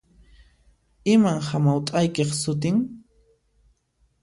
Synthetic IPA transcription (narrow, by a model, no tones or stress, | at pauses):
ɪmaŋhamawt̪ʼajkeχsʊt̪̬ɪŋ